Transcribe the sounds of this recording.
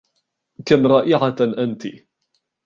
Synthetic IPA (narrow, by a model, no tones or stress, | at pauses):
kamɾˤɑːʔɪʕaʔant̪i